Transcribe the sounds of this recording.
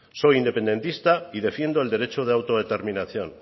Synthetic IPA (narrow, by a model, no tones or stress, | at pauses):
so̞ind̪e̞pend̪e̞nt̪ist̪aið̞e̞fje̞nd̪oeld̪e̞ɾe̞t͡ʃoð̞eawt̪o̞ð̞e̞t̪e̞ɾminaθjo̞n